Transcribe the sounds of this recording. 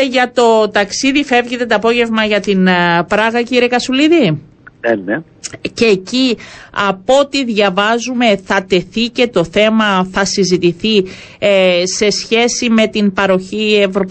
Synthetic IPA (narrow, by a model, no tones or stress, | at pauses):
ʝɐt̪o̞t̪ɐksiðife̞vʝet̪e̞t̪oɐpo̞ʝe̞vmɐʝɐt̪inpɾɐɣɐciɾie̞kɐsuliði | ene | ce̞ːciɐpo̞t̪iðʝɐvɐzume̞θɐt̪e̞θice̞t̪o̞θe̞mɐθɐsizit̪iθi | se̞sçe̞sime̞t̪inpɐɾo̞çie̞vɾo̞p